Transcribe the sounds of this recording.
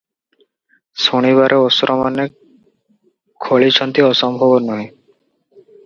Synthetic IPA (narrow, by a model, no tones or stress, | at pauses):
soɽ̃iβaɾʔeɔsɾʔɔmane | kʰoɭit͡ʃʰɔnt̪iɔsɔmbʱɔbɔnɔɦĩ